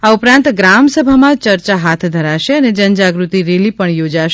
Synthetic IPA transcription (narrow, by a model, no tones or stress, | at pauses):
aupɾãnt̪ɡɾamsəbʱamãt͡ʃəɾt͡ʃaɦat̪ʰd̪ʱəɾaʃeəned͡ʒənd͡ʒaɡɾut̪iɾelipəɳjod͡ʒaʃ